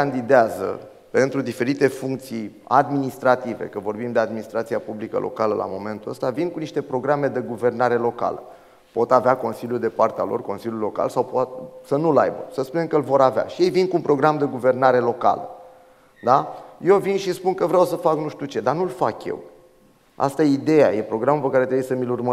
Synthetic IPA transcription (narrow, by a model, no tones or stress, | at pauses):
and̪id̪eazə̰ | pe̞nt̪ɾud̪ife̞ɾit̪e̞fuŋk̚t̪sij | ad̪minist̪ɾat̪ive̞̰kəvo̞rbimd̪e̞ad̪minist̪ɾat̪sijapublikə̰lʔo̞̰kaləlʔa̰mo̞me̞nt̪uəst̪avinkuniʃt̪e̞pɾo̞ɡɾame̞d̪e̞ɡuve̞rn̪aɾe̞lo̞ka̰lə̰ | po̞t̪aveako̞nsiljud̪e̞part̪ealo̰rko̞nsilʲjulo̞ka̰lsawpoat̪̚sənula̰jbə̰səspune̞mkəlvo̞ɾavea̰ʃije̞jvinkunpɾo̞ɡɾamd̪e̞ɡuve̞rnaɾe̞lo̞ka̰lə̰ | d̪aje̞wvinʃispunkəvɾeawsəfaknuʃt̪ut͡ʃe̞d̪anulfa̰kje̞̰w | a̰st̪ajeid̪e̞jaje̞pɾo̞ɡɾamupəkaɾet̪ɾebujsəmilurmə